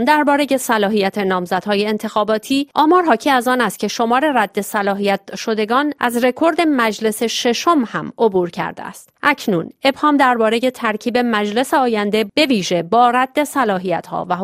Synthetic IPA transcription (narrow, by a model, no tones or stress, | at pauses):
md̪æɾbɒːɾe̞je̞sælɒːɦijæt̪ʰe̞nɒːmzæd̪hɒːje̞ːnt̪ʰe̞xɒːbɒːt̪ʰiːʔɒːmɒːɾɦɒːcʰiːæzɒːnæst̪̚cʰe̞ʃo̞mɒːɾe̞ræd̪ːe̞sælɒːɦijæt̪ʃo̞d̪e̞ɡɒːnʔæ̰zre̞kʰo̞ɾd̪e̞mæd͡ʒle̞se̞ʃe̞ʃo̞mhæ̰mo̞buːɾcʰæ̰ɾd̪ḛæ̰st̪ʔæcʰnuːne̞bhɒːmd̪æɾbɒːɾe̞je̞t̪ʰæɾcʰiːbe̞mæd͡ʒle̞seɒːjænd̪e̞b̥e̞viːʒe̞bɒːræd̪̥ːe̞sælɒːɦijæt̪hɒ̰ːvæ